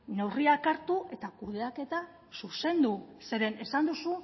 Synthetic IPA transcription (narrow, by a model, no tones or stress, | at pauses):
ne̞wriakaɾt̪uʔe̞t̪akuð̞e̞ake̞t̪a | suse̞nd̪use̞ɾe̞ne̞sand̪usu